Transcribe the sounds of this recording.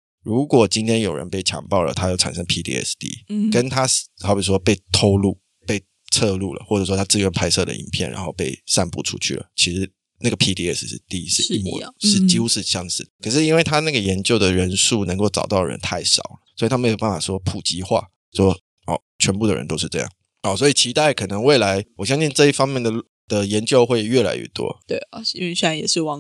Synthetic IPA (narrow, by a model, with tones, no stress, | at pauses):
ɻu˧˦˥kwɔ˨˩t͡ɕi˥nt̪ʰjɛ˥njo˨˩ʊɻə̰˦npe˥˩ɪt͡ɕʰjɑ̰˧˥ŋpɑ˥˩ʊlə̰˩t̪ʰa˥jo˥˩ʊʈ͡ʂʰa̰˨˩nʂə˥ŋpʰi˥t̪ʰḭ˧˥ɛ̰˥˩st̪ḭ˧˦kə˦nt̪ʰa˥xɑ˧˥ʊpi˨˩ʂ̬wɔ˥pe˥˩ɪt̪ʰo˥ʊlṵ˥˩ | pe˥˧ɪ | t͡sʰɤ˥˧lu˥˩lə̰˩xwɔ˥˩ʈ͡ʂʂwɔ˥t̪ʰa˥t͡sɹ̩˥˩ɥɛ˥npʰa˥ɪsɤ˥˩d̪ə̰˨ḭ˨˩npʰjɛ̰˥˩nɻa̰˧˥nxo˥˧ʊpe˥˧ɪsa˥˧npṵ˥˩ʈ͡ʂʰṵ˦t͡ɕʰy̰˥˩lə̰˩t͡ɕʰi˧˥ʂɻ̩˧˥ | na˥˩ɡə˩pʰi˥t̪ʰi˧ɛ˥˩s̩˥˩t̪i˥˧i˧˥s̩˥m̰˨ʂɻ̩˥˩t͡ɕi˥xu˥ʂɻ̩˥˧ɕjɑ˥˧ŋʂɻ̩˥˩d̪kʰə˨˩ʂ̬ɻ̩˥˩i˥nwe˥˩ɪt̪ʰa˥na˥˩ɡə˩jɛ˧˥nt͡ɕjo˥˩ʊd̪ə˩ɻə˧˥nʂu˥˩nə˧˥ŋko˥˩ʊʈ͡ʂɑ̰˨˩ʊt̪ɑ˥˩ʊɻə̰˧˦nt̪ʰa˥˩ɪʂɑ̰˨˩ʊlə˩swɔ˧˥i˨˩t̪ʰa˥me˧˥jo˨˩ʊpa˥˩fa˨˩ʂwɔ˥pʰu˨˩t͡ɕi˧˥xwa̰˥˩ | ʂwɔ˥ | ɔ̰˥˩ | t͡ɕʰɥɛ˧˥npu˥˩d̪ə̰˩ɻə̰˧˦nt̪o˥ʂɻ̩˥˧ʈ͡ʂɤ˥˧jɑ̰˥˩ŋ | ɔ˥˩swɔ˧˥i˨˩t͡ɕʰi˧˥t̪a˥˩ɪkʰɤ˨˩nə˧˦ŋwe˥˩ɪla˧˥ɪwɔ˨˩ɕjɑ˥ŋɕi˥˧nʈ͡ʂɤ˥˧i˥˩fɑ˥ŋmjɛ˥˩nd̪ə˨ | d̪̥ə˨jɛ˧˥nt͡ɕjo˥˧ʊxwe˥˧ɪɥɛ˥˩la̰˧˥ɪɥɛ̰˥˩t̪wɔ̰˥t̪we˥˩ɪ˩˥i˥e˥˧se˥˩a˧˦njɛ˨˩ʂɻ̩˥˧wɑ˥˧